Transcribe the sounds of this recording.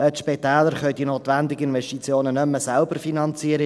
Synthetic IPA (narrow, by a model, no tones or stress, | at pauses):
ətʃpɛt̪æːləɾχœʏɥdinoːt̪ʋænd̪ɪɡəɪnvɛstit͡sjoːnənɵmːəsælbərfinɑnt͡siːəɾə